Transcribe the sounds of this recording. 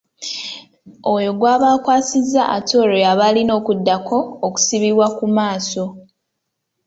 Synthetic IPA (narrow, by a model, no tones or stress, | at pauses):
o̞jo̞ɡwaːβaːkwaːsizːaʔatʰo̞ːɾojaβalino̞ːkudːakʰo̞ːku̥siβiβwakumaːso̞